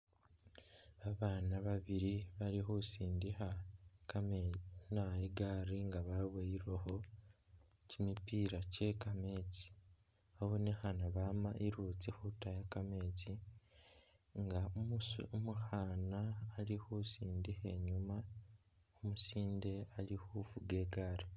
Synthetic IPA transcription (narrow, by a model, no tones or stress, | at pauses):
aβaːnaβaβiɾiβalixusiːndihakamenaiɡaɾiŋɡaβaβwaiɾeho̞ | cimipiɾace̞kame̞t͡si̥ | aβonehanaβamaʔiɾut͡sixutajakameːt͡si | ŋɡaomusumuxaːnaːlihusiːndihe̞ɲuma | omusiːnde̞alihufuɡe̞ːɡaɾi